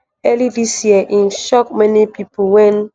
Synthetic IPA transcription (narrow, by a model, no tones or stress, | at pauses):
ɛlidisjiəʔĩnʃɔk̚mɛnipipʰulwɛ̃n